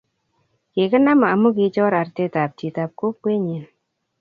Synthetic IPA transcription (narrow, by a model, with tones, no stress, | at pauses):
kɪ˨kə˦na˦ma˨mu˦ki˨t͡ʃɔ˦ɾa˨ɾtɛ˦ta˨p̚ti˨ta˨p̚ko˦kwe˦ɲi˨n